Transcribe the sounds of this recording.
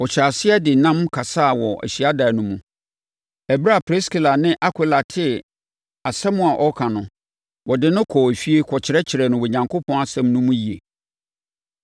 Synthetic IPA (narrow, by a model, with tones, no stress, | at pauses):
ɔ˨t͡ɕʰa˨sɪ˦ɛ˦dɪ˨nã˦mkʰa˨sa˦˨wɔ˨ʔæ̰˨ɕi˨a˦da˨nʊ̃˦mũ˦ | ɛ˨bɾa˦˨pʰɾe˦ski˨la˨nɪ̃˦ʔa˦kʰɪ˦˨la˨tʰɪ˦ | a˨sɛ˦mʊ̃˦˨a˨ʔɔ˦kʰã˨nʊ̃˨ | wɔ˨dɪ˨nʊ̃˦kʰɔː˨æ˨fi˦e˦kʰɔ˨t͡ɕʰɪ˨ɾɛ˦t͡ɕʰɪ˨ɾɛ˨nʊ̃˨we˨ɲã˨ŋkʰo˦pʰɔ̃˦na˨sɛ̃˦mnʊ̃˦mũ˦ji˨ḛ˨